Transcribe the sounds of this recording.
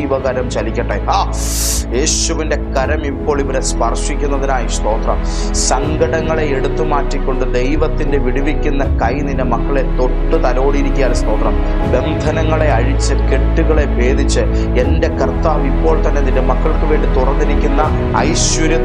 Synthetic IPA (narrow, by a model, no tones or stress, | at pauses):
ʋɐɣɐɾɐmt͡ɕɐlikʲːɐʈːeɦaː | je̞ːɕuʋinde̞kɐɾɐmipːo̞ːɭiʋɐɾespɐrʂikʲːunːɐðinaːjist̪o̞ːt̪rɐm | sɐŋɡɐɽɐŋːɐɭe̞eɽut̪ːɨmaːtːikʲːo̞ɳɖɨd̪e̞jʋɐt̪ːinde̞ʋiɽiʋikʲːunːɐkɐjninde̞mɐkːɐɭe̞t̪o̞ʈːɨt̪ɐlo̞ːɽiiɾikʲːujaːnst̪o̞ːt̪rɐm | be̞nd̪ʱɐnɐŋːɐɭe̞ɐɻit͡ɕːɨke̞ʈːuɣɐɭe̞ʋe̞ːd̪ʱit͡ɕːɨ | e̞nde̞kɐrt̪aːʋipːo̞ːɭt̪ɐnːe̞ɐnindemɐkːɐɭkɨʋe̞ːɳɖit̪urɐnːiɾikʲːunːɐ | ɐ̰jɕʋɐɾjɐ